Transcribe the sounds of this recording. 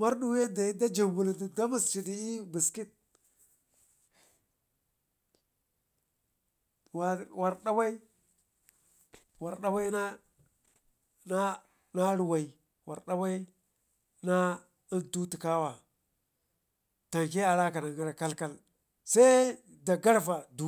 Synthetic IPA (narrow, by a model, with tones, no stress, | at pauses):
ma˦ɾɗu˦we˦da˨i˦da˦d͡ʒa˨mbu˨ldi˨da˦ma˨st͡ʃi˨di˨i˦bi˨ski˦t̚ | wa˨wa˨ɾɗa˦wa˦i˦ | wa˨ɾɗa˦wa˦na˦ | na˦ | na˦ɾu˨wa˨i˨ | wa̰˨ɾɗa˦wa˦i˦ | na˦ | i˦ntu˦ti˨ka˦wa˨ | ta˨ŋk̬e˦a˨ɾa˦ka˨na˨ŋa˦ɾa˨ka˦lka˦l | sa˦ | da˨ɡa˦ɾva˨du˨